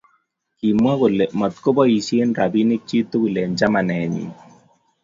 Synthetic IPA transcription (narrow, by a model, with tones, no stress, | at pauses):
ki˨mwa˦ku˨lɛ˨mɔ˨t̪̚ko˦bɔ˦i˨sje˦nɾa˨bi˦ne˦k̚t͡ʃi˦t̪o˦ku˨lɛ˨ɲd͡ʒa˦ma˨nɛ˨ɲḭ˨